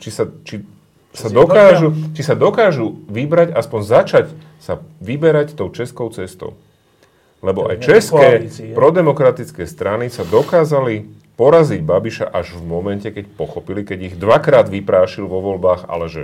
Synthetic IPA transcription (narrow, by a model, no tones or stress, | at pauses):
t͡ʃisat͡ʃi | sad̪ɔkaːʒut͡ʃisad̪ɔkaːʒuʋibɾaɟaspɔɲzat͡ʃac | saʋibɛɾact̪ɔʊt͡ʃɛskɔʊt͡sɛst̪ɔ̰ʊ | lɛbɔʔa̰jt͡ʃɛskkɛːpɾɔd̪ɛmɔkɾat̪it͡skɛːst̪ɾanisad̪ɔkaːzali | pɔɾaziɟbabiʃa̰ʔaʒvmɔmɛncɛkɛcpɔxɔpilikɛɟiɣd̪ʋakɾaːd̪ʋipɾaːʃilʋɔʋɔlbaːɣa̰lɛʒɛ